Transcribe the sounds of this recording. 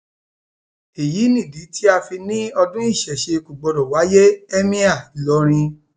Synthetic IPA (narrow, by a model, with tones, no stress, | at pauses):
e˨ji˨˦nĩ˦˨di˨˦tʰi˦a˧fi˧nĩ˦ɔ˧dũ˦i˦˨ʃɛ˨ʃe˧ku˨ɡ͡bɔ˧ɾɔ˨wa˨˦je˦ɛ˦mĩ˦a˦˨lɔ˨˦ɾ̃ĩ˧